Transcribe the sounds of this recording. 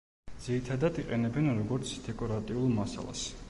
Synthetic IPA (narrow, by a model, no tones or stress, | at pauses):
d̪z̥iɾit̪ʰad̪ad̪iqʼɛnɛbɛnɾɔɡɔɾt̪sʰd̪ɛkʼɔɾat̪ʼiulˠmasa̰lˠa̰s